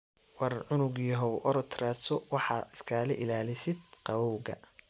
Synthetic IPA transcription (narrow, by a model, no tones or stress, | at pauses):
wɑrʕʊnʊɣjɔɦɔwʔɔɾɔt̪ʰraːsɔwɑħɑːɪskʰaːlɛʔɪlaːlɪsɪd̪̚qɑwɔwɣɐ̰